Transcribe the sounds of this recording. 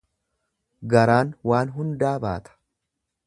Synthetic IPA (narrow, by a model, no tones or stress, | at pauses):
ɡɐɾaːnwaːnɦʊnd̪aːba̰ːt̪ʰɐ̥